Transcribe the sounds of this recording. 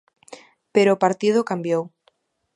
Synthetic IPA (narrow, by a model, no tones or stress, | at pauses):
peɾoːpaɾt̪ið̞ʊkambjow